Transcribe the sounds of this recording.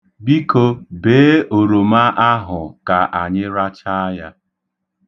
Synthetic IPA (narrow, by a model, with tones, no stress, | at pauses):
bi˦ko˦beː˨˦o˨ɾo˨ma˦ʔa˦ɦʊ˨ka˨ʔa˨ɲɪ˦ɾa˦t͡ʃa˦a˦ja˦